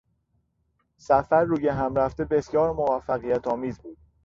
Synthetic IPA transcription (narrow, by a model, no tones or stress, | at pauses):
sæfæɾːuːjeɦæmɾæft̪e̞be̞sjɒːɾmo̞væfːæɣijæt̪ʰɒːmiːzbuːd̪̥̚